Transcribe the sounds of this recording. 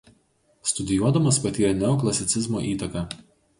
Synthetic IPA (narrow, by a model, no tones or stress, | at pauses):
st̪ʊd̪ʲɪjuɔd̪ɐmɐspɐt̪ʲiːɾʲɛnʲɛɔklˠɐsʲɪt̪sʲɪzmoːʔiːt̪ɐkɑː